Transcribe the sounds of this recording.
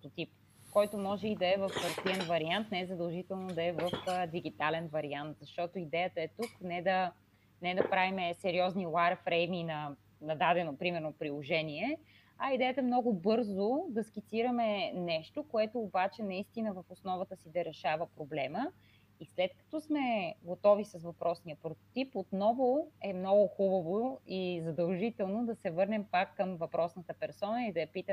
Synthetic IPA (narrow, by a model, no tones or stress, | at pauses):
t̪ot̪ip | kɔjt̪omɔʒɛid̪ɐɛvəfpɐɾt̪iɛnvɐɾiant̪nɛɛzɐd̪ɐlˠʒit̪ɛlˠnod̪ɐɛvəfd̪iɡit̪alɛnvɐɾiant̪zɐʃt̪ɔt̪oid̪ɛjət̪əɛt̪uknɛd̪ɐ | nɛd̪ɐpɾavimɛsɛɾiɔznilaɾfɾɛjminɐ | nɐd̪ad̪ɛnopɾimɛɾnopɾilˠoʒɛniɛ | ɐid̪ɛjət̪əɛmnɔɡʊbɤɾzod̪ɐskʲit̪siɾɐmɛnɛʃt̪okoɛt̪oːbat͡ʃɛnɐist̪inəvəfosnɔvət̪əsid̪ɐɾɛʃavəpɾoblɛmə | islɛt̪kɐ̥t̪ɔsmɛɡot̪ɔvisɐsvɐpɾɔsnijəpɾot̪ot̪ipot̪nɔvoɛmnɔɡʊxubəvoizɐd̪ɐlˠʒit̪ɛlˠnod̪ɐsɛvɤɾnɛmpakːɐmvɐpɾʔɔsnət̪əpɛɾsɔnəid̪ɐjɐpit̪ə